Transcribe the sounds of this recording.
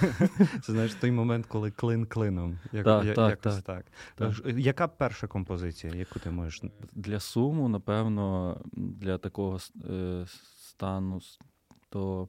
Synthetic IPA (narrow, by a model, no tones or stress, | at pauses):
t̪sɛznajɪʃt̪ɔjmɔmɛnt̪kɔlˠɪklˠɪnklˠɪnɔmjɐt̪ɑt̪k̪t̪ɑkt̪jɐkapɛrʃɐkɔmpɔzɪt͡sʲijɐjɐkut̪ɪmɔʒeʃd̪lʲɐsumʊnɐpɛwnɔd̪lʲɐt̪ɐkɔɦɔs | st̪ɑnʊ | t̪ɔ